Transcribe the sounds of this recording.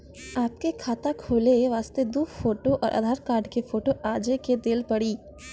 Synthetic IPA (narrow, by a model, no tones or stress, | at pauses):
aːp̚kekʰaːt̪akʰoːleʋaːst̪ed̪uːfoːʈoʔɔ̰ːɾʔɐ̰d̪ʱaːɾkaːɾɖkefoːʈoʔaːd͡ʒeked̪elpɐɽiː